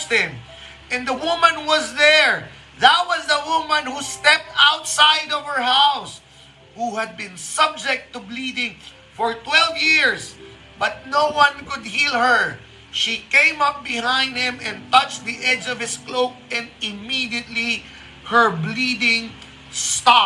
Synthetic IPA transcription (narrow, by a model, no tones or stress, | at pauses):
t̚ɪ̃m | ɨ̃nd̪əwʊmə̃nwʌzðɛɹ | ðət̚wʌzðəwʊmə̃nhust̪ɛp̚t̪aʊt̪saɪdʌv̥ə˞haʊs | huhɨd̪̚bɪ̃nsʌb̚d͡ʒɛk̚t̪ublidɪ̃ŋ | fɔɹt̪wɛlˠvjɪɹz | bʌt̪̚noʊwʌ̃nkʊd̪̚hilˠhə˞ | ʃikẽɪ̃mʌp̚bɪhãɪ̃nd̪̚hɪ̃mɛ̃nt̪ʌt͡ʃd̪iʔɛd͡ʒʌv̥ɪskloʊk̚ɛ̃ndɪmidiət̪li | hə˞blidɪ̃ŋ | stɑ